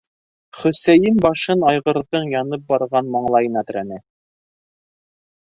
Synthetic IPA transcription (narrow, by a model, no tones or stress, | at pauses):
χɵ̆sæjɘmbɑʃɤnɑjʁɤ̆ɾðɤɴjɑnɤp̚bɑɾʁɑnmɑɴlˠɑjɤnæt̪ɘ̆ɾænɘ